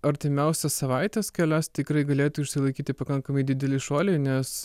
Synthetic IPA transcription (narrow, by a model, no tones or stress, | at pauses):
ɐɾʲt̪ʲɪmʲɛʊsʲɛssɐʋɐɪt̪ʲɛskʲɛlʲæst̪ʲɪkɾɐɪɡɐlʲeːt̪uːɪʃʲsʲɪlˠɐɪkʲiːt̪ʲɪpɐkɐŋkɐmɐɪd̪ʲɪd̪ʲɛlʲɪʃoːlʲɛɪnʲɛs